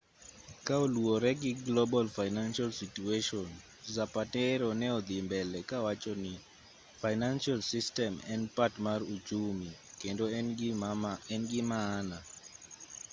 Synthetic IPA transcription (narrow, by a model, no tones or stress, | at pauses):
kaoluɔɾɛɡɪɡlobalfajnanʃalsitueʃɔn | zapatɛɾɔnɛɔd̪imbɛlɛkawat͡ʃɔnɪ | fajnanʃalsistɛmɛnpatmarut͡ʃumikendoɛ | ɛnɡɪmaːna